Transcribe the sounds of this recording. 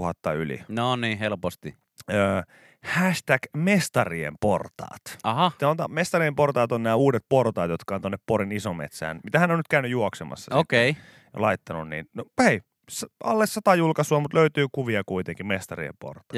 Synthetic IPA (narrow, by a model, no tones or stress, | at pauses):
uhɑt̪ːɑylḭnoniːhelpost̪i | øː | hæʃt̪ækmest̪ɑriḛmport̪ɑ̰ːt̪ɑɦɑsɑot̪ɑ̰mest̪ɑriemport̪ɑːt̪onnæːuːdet̪̚port̪ɑːt̪jot̪kɑoːnt̪onːeppoɾinisomḛt̪sæ̰ːnmit̪æhænːonyt̪̚kæynyjuoksemɑ̰sːɑsokei | jo̰lɑit̪ːɑnunnḭːnnohei | sɑlːessɑt̪ɑjulkɑsuɑmut̪løyt̪yːkuʋiɑkuit̪eŋkimmest̪ɑriḛmpo̰rt̪ɑ̥